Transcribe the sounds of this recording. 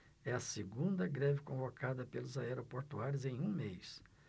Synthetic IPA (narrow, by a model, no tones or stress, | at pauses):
ɛɐseɡũnd̪ɐɡɾɛvɪkõvokad̪ɐpelʊzaɛɾopoɾt̪uaɾʊzẽj̃ũmejs